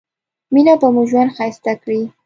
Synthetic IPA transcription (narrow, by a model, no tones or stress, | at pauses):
minapəmuʒwand̪xajst̪akɽi